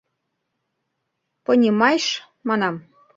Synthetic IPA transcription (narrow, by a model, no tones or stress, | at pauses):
pɤnʲimɑjʃ | mɑnɑm